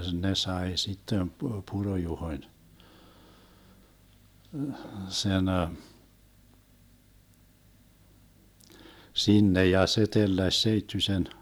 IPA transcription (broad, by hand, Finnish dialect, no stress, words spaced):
ne sɑe sitːem pu purojuhoĭn sen sinːe jɑ se telːæsʲ seitːysen